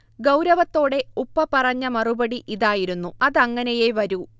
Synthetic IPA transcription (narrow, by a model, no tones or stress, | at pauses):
ɡɐwɾɐʋɐt̪ːo̞ːɽe̞upːɐpɐrɐɲːɐmɐrubɐɽiʔiðaːjiɾunːuɐðɐŋːɐnejeʋɐɾu